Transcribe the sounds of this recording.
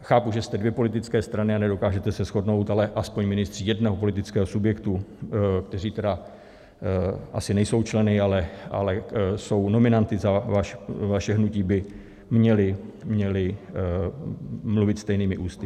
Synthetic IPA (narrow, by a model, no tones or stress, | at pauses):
xaːpuʒɛst̪ɛdvjɛpo̞lɪt̪ɪt͡skɛːst̪ɾanɪanɛdo̞kaːʒɛt̪ɛsɛsxo̞dno̞wt̪alɛʔaspoɲmɪnɪst̪r̥iːjɛdnɛɦopo̞lɪt̪ɪt͡skɛːɦosubjɛkt̪ukt̪ɛr̝iːt̪ɛda | ʔa̰sɪnɛjso̞wt͡ʃlɛnɪalɛʔa̰lɛso̞wno̞mɪnant̪ɪzavaʃvaʃɛɦnuciːbɪ | mɲɛlɪmɲɛlɪ | mluvɪt̪st̪ɛjniːmɪʔuːst̪ɪ